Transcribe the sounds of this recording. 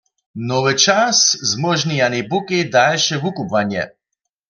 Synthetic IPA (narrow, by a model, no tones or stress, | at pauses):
nɔvɨt͡ʃaszmɔʒnijanibukid̪alʃɛvukupvanjɛ̰